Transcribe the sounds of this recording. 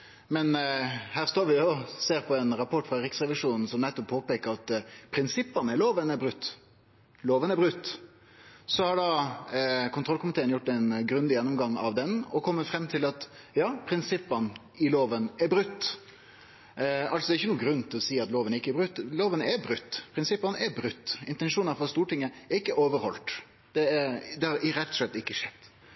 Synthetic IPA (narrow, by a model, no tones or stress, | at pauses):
mɛnhæːʁst̪oːɾʋɪɔseːɾpʰɔɛnɾɑpʰɔʈːfʁɑɾɪksʁɛʋɪʂuːnn̩sɔmnɛt̪ːɔppʰːoːpeːkəɾɑt̪pʰɾɪnsɪpːɑnəɛloːʋənɛɾbɾʉt̪ː | loːʋənɛɾbɾʉt̪ː | sɔhɑɖɑ | kʰʊnt̪ɾɔlkʊmɪt̪ʰeːənjʊʈːɛnɡɾʉnd̪ɪjɛnːɔmɡɑŋːɑ̰ʋd̪ɛnɔkʰɔmːət̪fɾɛmːt̪ʰɪlɑt̪ | jɑːpʰɾɪnsɪpːən | ɪloːʋənɛɾbɾʉt̪ː | ɑlsɔd̪ɛɾɪçːənuːɡɾʉnːt̪ʰɪlɔsiːɑt̪loːʋənɾɪkːəɛɾbɾʉt̪ːloːʋənɛɾbɾʉt̪ːpʰɾɪnsɪpːənɛɾbɾʉt̪ːɪnt̪ɛnʂuːnəfɔst̪uːʈɪŋːəɛɾɪkːəʔoːʋəɾhɔlt̪ | d̪̥ɛɛɾd̪ɛhɑɾɪɾɛt̪ːɔ̥ʂlɛt̪ːɪkːəʂɛd̪̥